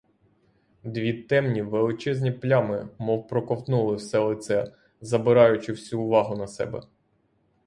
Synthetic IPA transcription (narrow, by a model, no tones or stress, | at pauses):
d̪ʋʲit̪ɛmnʲiʋelˠɪt͡ʃɛzʲnʲiplʲɑmɪmɔwpɾɔkɔwt̪nulˠɪwsɛlˠɪt̪sɛ | zɐbɪɾɑjʊt͡ʃɪwsʲuːʋɑɦʊnɐsɛ̰bɛ̰